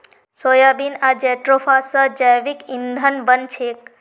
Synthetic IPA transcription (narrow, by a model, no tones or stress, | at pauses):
sojabinad͡ʒɛʈɾofʰasəd͡ʒajʋikind̪ʱənbənt͡ʃʰek̚